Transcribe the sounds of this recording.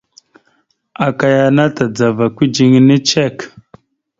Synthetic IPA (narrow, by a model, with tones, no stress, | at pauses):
a˨ka˨ja˨na˦ta˨d͡za˨va˨kʷi˦d͡ʒi˨ŋ˦ni˦t͡ʃe˦˨k